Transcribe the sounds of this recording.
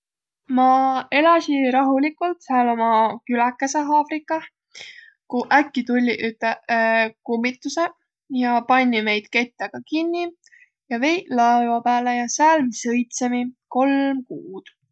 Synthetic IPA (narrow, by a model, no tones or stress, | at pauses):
mɑe̞lɑsiɾɑɦulikːˑult̪sæːlo̞mɑkylækˑːeseɦɑːfɾikːˑɑ | kuʔækːit̪ulʲːiʔyt̪ːˑekumːit̪ːˑuse̞ | jɑpɑnʲːime̞jd̪̥ke̞t̪ːˑeɡ̥ɑkinʲːi | jɑve̞jlɑevɑpæːlejɑsæːlmisɤjt̪semiko̞lmkuːd̪̥